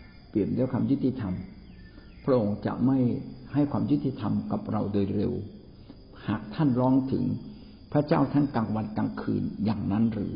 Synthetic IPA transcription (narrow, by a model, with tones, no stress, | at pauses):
pli˨˩əmdaː˦˥˩kʰaː˧mju˦˥t̪ːi˧t̪ʰa˧m | pʰɾa˦˥ʔo˧ŋt͡ɕa̰˨˩ʔma˥˩jha˥˩jkʰwaː˧mju˦˥t̪ːi˧t̪ʰa˧mka˨˩p̚ɾa˧wdoː˧jɾḛ˧w | haː˨˩k̚t̪ʰa˥˩nlɔː˦˥ŋt̪ʰɯ̰˩˦ŋ | pʰɾa˦˥t͡ɕaː˥˩wt̪ʰa˥˩nkaː˧ŋwa˧nkaː˧ŋkʰɯ̰ː˧njaː˨˩ŋna˦˥nɾɯ̰ː˩˦